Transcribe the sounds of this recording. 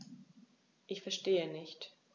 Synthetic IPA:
ʔɪçfɛɐʃteːənɪçt

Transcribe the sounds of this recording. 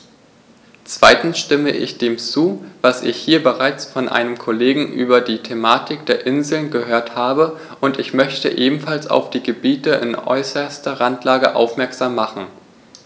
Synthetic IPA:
t͡sv̥a̰ɪtn̩sʃtɪməʔɪ̰çd̥eːmt͡suːvasɪçhiːɐbəʁaɪt͡sfɔnʔa̰ɪnəmkʰoleːɡŋ̩ʔyːbɐdiːtʰemaːtʰɪk̚d̥eːɐʔɪnzl̩nɡəhøːɐthaːbə | ʔʊntɪçmœçtəʔeːbm̩falsa̰ʊfd̥iːɡəbiːtəʔɪ̰nʔɔ̰ʏsɐstɐʁantʰlaːɡəʔa̰ʊfmɛɐkz̥aːmːaχn̩

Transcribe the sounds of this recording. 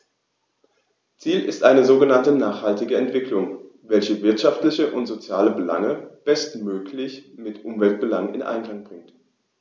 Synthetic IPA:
t͡siːlɪ̰stʔaɪnəzoːɡənantənaːχhaltɪɡəɛntv̥ɪklʊŋ | vɛlçəvɪɐtʃaftlɪçəʔʊntz̥ot͡sjaːləbəla̰ŋəb̥ɛstmøːkʰlɪçmɪtʔʊmvɛlt̚b̥əlaŋɪ̰nʔa̰ɪnkl̥aŋb̥ʁɪŋt

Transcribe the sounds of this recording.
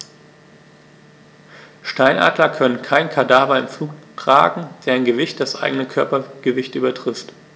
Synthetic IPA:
ʃtaɪnʔa̰ːdlɐkʰœnənkʰaɪnkʰadaːbɐɪmfluːktʁ̥a̰ːɡŋ̩veːɐaɪnɡəvɪçt̚d̥asʔa̰ɪɡənəkʰœɐpɐɡ̥əvɪçtʔyːbɐtʁ̥ɪft

